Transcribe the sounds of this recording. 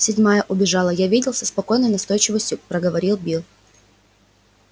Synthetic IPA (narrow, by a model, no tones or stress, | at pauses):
sʲɪdʲmajəʔʊbʲɪʐɑlˠəjavʲidʲɪlˠsʲəspɐko̞jnəjnɐst̪o̞jt͡ɕɪvəsʲtʲjʊpɾəɡəvɐɾʲilˠbʲilˠ